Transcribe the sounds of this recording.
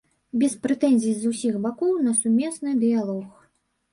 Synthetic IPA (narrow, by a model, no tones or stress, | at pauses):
bʲɛspɾɛt̪ɛnʲzʲizusʲixbakɔwnɐsumʲɛsnɨd̪ɨjalˠɔx